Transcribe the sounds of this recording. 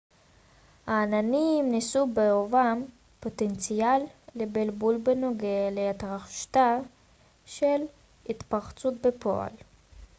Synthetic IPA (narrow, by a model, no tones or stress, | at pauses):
haːnanimnisubeovam | pot̪ent͡sialːebelbulbenoɡealeat̪ʁaχʃt̪a | ʃel | hit̪paχt͡sut̪̚bepʰo̰a̰l